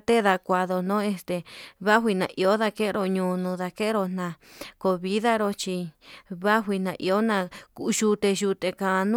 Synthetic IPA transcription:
t̪e˦ða˧kʷa˧ðo˧nõ˦e˧st̪e˧βa˦ɦʷi˧nã̰˧˨ʔi˧o˦ða˧ke˦˧ɾo˧ɲũː˧nũ˧ða˧ke˦ɾo˧n̥ã˧ko˧βi˦ða˦ɾo˧t͡ʃi˧βa˦ɦʷi˧nã˧ʔḭ˧o˦nã˧˨ku˧ʔʒu˧t̪e˧ʒu˧t̪e˧kã˧nũ˦

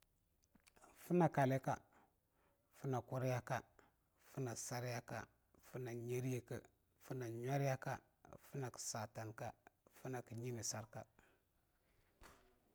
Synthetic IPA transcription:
fu˦na˨ka˨le˦ka̰˨ | fu˦na˨ku˦ɾja˦ka˦ | fu˦na˨sa˦ɾja˦ka̰˨ | fu˦na˨ɲe˦ɾi˦je˨kə̰˨ | fu˦na˨ɲwa˦ɾja˦ka̰˦ | fu˦na˨ki̥˨sa˨ta˨nka˦fu˦na˨ki˨ɲi˦ni˨sa˦ɾka˨

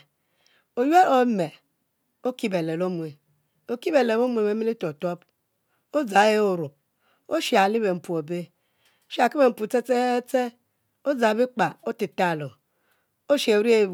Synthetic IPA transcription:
o˨je˦o˨˦me˨ | o˦ki˦be˨le˨lo˦mwe˨ | o˦ki˦be˨le˨bo˦mu˦e˨e˦me˦li˦to˨to˦p | o˦d͡za˨˦e˦o˨ɾu˨p̚ | o˦ʃi˨a˨li˦be˨m̩˨pu˨o˨be˦ | ʃa˨ki˦be˨m̩˨pu˨t͡se˦t͡se˦t͡se˦ | o˦d͡za˨bi˦k͡pa˨o˦ti˨ta˦˨lo˨ | o˦ʃe˨˦ɾi˦e˦˨

